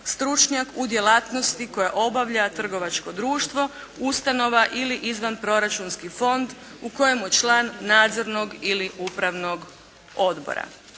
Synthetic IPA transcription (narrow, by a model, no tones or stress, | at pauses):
st̪ɾut͡ʃɲakud̪je̞laːt̪no̞st̪iko̞jaʔo̞baʋʎat̪r̩ɡo̞ʋat͡ʃko̞d̪ɾuːʃt̪ʋo̞ | ust̪ano̞ʋaʔiliʔizʋanpɾo̞ɾat͡ʃunskifo̞nd̪ | uko̞jemujet͡ʃlaːnːaːd̪zo̞ɾno̞ɡiliupɾaʋno̞ɡ | o̞d̪bo̰ɾa̰